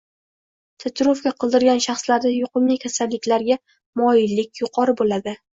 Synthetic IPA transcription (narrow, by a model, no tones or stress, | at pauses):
t̪ʰat̪ɾofkʲaqʰɨlˠd̪ɪɾɡʲanʃɑχslaɾd̪ajʊqʰɨmlɪkʲʰasalːɪkʲlaɾɡʲa | mɒjɪlːɪkʲjʊqʰɒɾɪbolad̪ɪ